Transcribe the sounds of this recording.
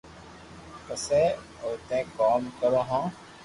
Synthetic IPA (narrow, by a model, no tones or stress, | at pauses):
pəseː | oːt̪ẽːkaːmkəɾõɦãː